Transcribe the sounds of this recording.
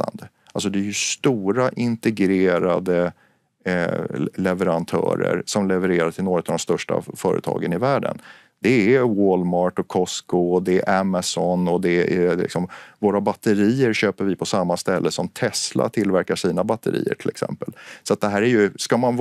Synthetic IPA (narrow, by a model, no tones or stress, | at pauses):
a̰nd̪ə | ʔals̬ɔd̪ɛːɾjɵst̪uːɾaʔɪnt̪ɛɡɾeːɾad̪ə | lɛvəɾant̪ʰœ̰ːɾə̰ɾsɔmlɛvəɾeːɾaʈʰɪlnoːɾət̪avd̪ɔmst̪œʂʈa̰fœːɾə̰t̪ʰɑ̰ːɡənɪvæːɖə̰n | d̪̥ɛæwoːlmɑːɾʈɔkʰːɔskoɔd̪ɛʔɛmasɔnɔd̪ɛɛlɪ̰ksɔmvoːɾabat̪ːəɾiːəɾɕøːpəɾvɪpʰɔsamːast̪ɛlːʔəsɔmt̪ʰɛslʔa̰t̪ʰɪlvæɾkaʂiːnabat̪ːəɾḭːə̰ʈʰɪlɛ̰ksɛ̰mpəlsɔat̪̚d̪ɛɦæːɾæɾjɵskaman